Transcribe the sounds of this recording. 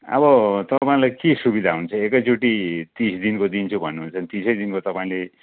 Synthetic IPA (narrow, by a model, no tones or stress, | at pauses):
ʌ̰βʌt̪ʌpaĩlajkesubid̪ʱaɦunt͡sʰʌekʌjt͡suʈit̪ĩsd̪inkod̪int͡sʰubʱʌnːuɦunt͡sʰʌnt̪ĩsʰʌjd̪inkot̪ʌpaĩle